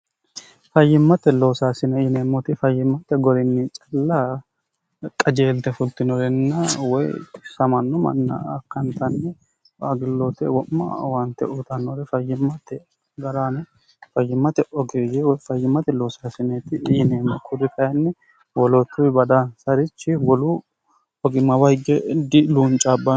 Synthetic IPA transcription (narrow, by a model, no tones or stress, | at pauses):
fɐjːɪmːɐt̪ːɛlo̞ːsaːsɪnɛiːneːmːɔt̪ɪfɐjːɪmːɐt̪ɛɡɔɾɪnːit͡ʃʼɐlːa | kʼɐd͡ʒe̞ːlt̪ɛfʊlt̪ɪnɔɾɛnːɐwɔjsɐmɐnːɔmɐ̰nːɐ̰ːkːɐnt̪ɐnːɛ | aɡɪlːɔt̪ɛwɔmːɐ̰want̪ːɛʔʊt̪ɐnːɔɾɛfɐjːɪmːɐt̪ːɛ | ɡɐɾaːnɛ | fɐjːɪmːɐt̪ɛʔɔɡeːjɛwɔjfɐjːɪmːɐt̪ɛloːsɐsɪneːt̪ɪʔneːmɐkʰʊdɪkʰɐjɐnːɛ | wɔlɔt̪ːʊbɐd̪ansɐɾɪt͡ʃːɪwɔlu | ɔɡɪmːɐwɐjɡɛd̪ɪluːnt͡ʃʼabːɐ